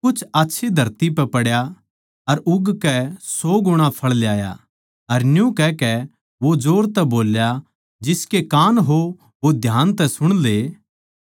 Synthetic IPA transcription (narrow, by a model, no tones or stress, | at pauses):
kʊt͡ʃʰaːtːʃʰid̪ʱɐɾt̪ipɛpɐɽja | ɐɾʊɡkɛsɔːɡʊɽ̃apʰɐɭljaːja̰ | ɐɾnjũkɛkɛ | ʋod͡ʒoːɾt̪ɛboːlja | d͡ʒɪskekaːnɦo | ʋod̪ʱjaːnt̪ɛsʊɽ̃le